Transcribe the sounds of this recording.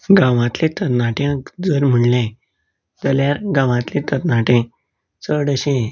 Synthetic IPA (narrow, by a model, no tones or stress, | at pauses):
ɡãʋãt̪lẽt̪əɾnaʈjãd͡zəɾm̤əɳlẽ | d͡zəljaɾɡãʋãt̪lẽt̪əɾnaʈẽ | t͡səɽəɕẽ